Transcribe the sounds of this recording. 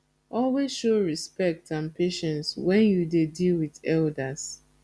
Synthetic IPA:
ʔɔlwezʃoɹispɛk̚tãnpeʃɛ̃nswɛ̃njudedilwiðɛldas

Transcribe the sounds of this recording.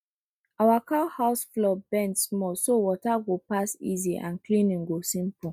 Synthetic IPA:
awakahaʊsflɔbɛ̃ntsmɔlsowɔtaɡopasḭziʔã̰nklĩnĩnɡosĩmpu

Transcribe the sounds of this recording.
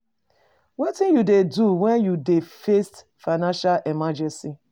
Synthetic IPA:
wɔtĩnjudeduwɛ̃njudefest | fanãnʃalɛmad͡ʒɛ̃nsi

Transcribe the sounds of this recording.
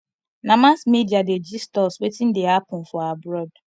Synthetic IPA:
namasmediaded͡ʒistɔswetin̩deapʊ̃n̩fɔabɾɔd

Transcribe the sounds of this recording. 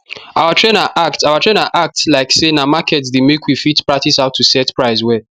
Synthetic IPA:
ʔawatʰɹẽnaʔaktawatʰɹẽnaʔak̚tlaɪksenamakʰɛtsdemekʰwifitpɹak̚tisaʊtʰːusɛtpɹaɪswɛ

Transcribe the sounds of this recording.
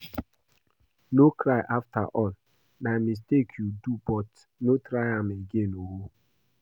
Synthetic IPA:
nokɾaɪʔafta̰ʔɔl | namis̬tekʰjudubɔt | notɾaɪameɡenowo

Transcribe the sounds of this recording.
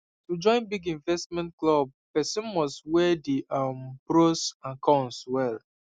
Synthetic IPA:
tud͡ʒɔ̃ɪ̃nbiɡĩɱvɛstmɛ̃ntklɔb̚pɛsɔ̃nwɔswɛdiʔambɾosãnkʰɔ̃nswɛl

